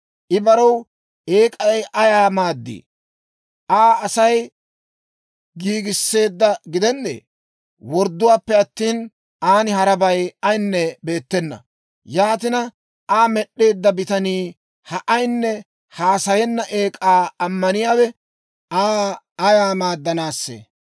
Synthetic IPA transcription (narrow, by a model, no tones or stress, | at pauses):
ʔɪbɐɾɐw | e̞ːkʼɐjʔɐjaːmaːd̪ːḭː | ʔaːɐsɐj | ɡiːɡɪsːe̞ːd̪ːɐɡɪd̪ɛnːḛː | wɔɾd̪ːʊwaːpːɛɐt̪ːiːn | aːnɪɦɐɾɐbɐjɐjnːɛbe̞ːt̪ːɛnːɐ̰ | jaːt̪ɪnɐ | aːmɛɗːe̞ːd̪ːɐbɪt̪ɐniː | hɐʔɐjnːɛ | haːsɐjɛnːɐʔeːkʼaːɐmːɐnɪjaːwɛ | aː | ɐjaːmaːd̪ːɐnaːsːḛː